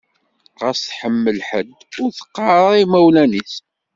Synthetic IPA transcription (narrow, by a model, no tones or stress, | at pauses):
ʁæsθħəmːəlħəd̪ːʊɾθə̥qːɑɾˤimæwlæniθ